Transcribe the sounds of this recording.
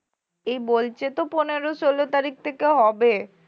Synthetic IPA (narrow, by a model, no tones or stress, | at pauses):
ejbolt͡ɕʰet̪oponeɾoʃolot̪aɾik̚t̪ʰekeɦɔbe